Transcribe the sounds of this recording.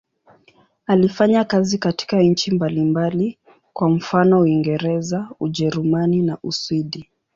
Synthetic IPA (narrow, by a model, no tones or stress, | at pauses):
alifaɲakazikati̥kaɲ̩t͡ʃimbalimbali | kwam̩fanɔuiŋɡɛɾɛzauʄɛɾumaninaʔuswiɗi